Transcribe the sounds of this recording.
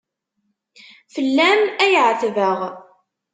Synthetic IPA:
fəlːæmæjʕθvəʁ

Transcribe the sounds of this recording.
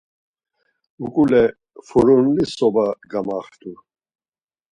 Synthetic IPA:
ukʼulɛ | fuɾunlisɔbaɡamaχt̪ʰʼu

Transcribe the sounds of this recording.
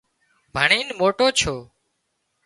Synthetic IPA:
bʱəɳiːnmoːʈoːt͡ʃʰoː

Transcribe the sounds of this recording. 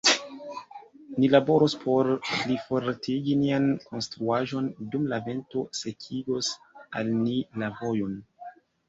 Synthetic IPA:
nilabo̞ɾospʰo̞ɾlifo̞ɾtʰiɡiniankʰo̞nstɾuaʒo̞ndumlave̞nto̞se̞kʰiɡo̞s | alnilavo̞jo̞n

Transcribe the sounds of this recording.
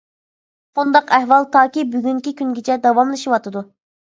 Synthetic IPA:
und̪ɑqɛhwɑlˠt̪ʰɑːkʲibyɡʲyŋkʲikʲʰyŋɡʲɪt͡ʃʰɛd̪ɑwɑmlˠɨʃiwɑt̪ʰɨd̪u

